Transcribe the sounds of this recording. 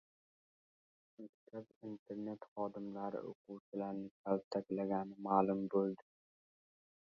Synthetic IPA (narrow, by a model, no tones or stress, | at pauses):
makʲt̪ʰabint̪ʰe̞ɾne̞t̪χɒd̪ɪmlaɾɪ̰ʔo̰qʰʊwt͡ʃʰɪlaɾnɪkʲʰalt̪ʰakʲlaɡʲanɪmaːlʊmbolˠd̪ɪ